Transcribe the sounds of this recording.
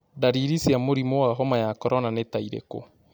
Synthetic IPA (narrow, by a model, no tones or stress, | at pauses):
daɾiɾisiamoɾimowaɦɔmajakɔɾɔnanetaiɾḛko̰